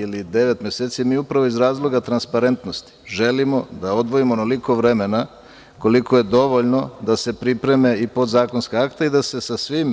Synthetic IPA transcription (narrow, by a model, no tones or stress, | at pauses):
ilid̪e̞ʋe̞t̪mʲje̞seːt̪sijmiːupɾaʋo̞izɾaːzlˠo̞ɡat̪ɾanspaɾe̞nt̪no̞st̪i̥ʒe̞limo̞d̪ao̞d̪ʋo̞imonoliko̞ʋɾe̞me̞na | ko̞likʰo̞je̞d̪o̞ʋo̞ʎno̞d̪ase̞pɾipɾe̞me̞ipo̞d̪zaːko̞nskaakt̪eid̪ase̞sasʋim